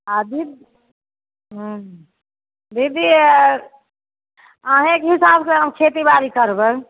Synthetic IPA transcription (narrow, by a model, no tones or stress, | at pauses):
ad̪id̪ | ɦ | d̪ʱid̪i | əɦẽkɦisabseɦəmkʰet̪ibaɾikəɾbə